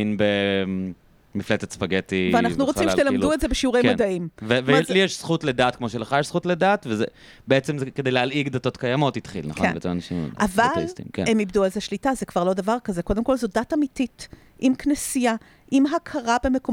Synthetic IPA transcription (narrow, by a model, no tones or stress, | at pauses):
inbe | miflet͡set̪sfaɡetiveannaχnuʁot͡simʃet̪eladuetzebeʃiuʁejmodaʔimvevelijɛʃsχutledaːt̚kmo̞ʃeleχajɛʃsχutledat̪veze | beet͡semzeked̪ejlealiɡd̪ato̞tkajamo̞tit̪χḭlna̰χkonbḛt͡semanaʃḭm̰ʔavalistḭmkḛemibd̪ualzeʃlitazekv̥aʁlo̞davaʁkazeko̞d̪emko̞lzodatamitit | ʔimknesija | ʔimɦakʰaʁabe̞me̞ko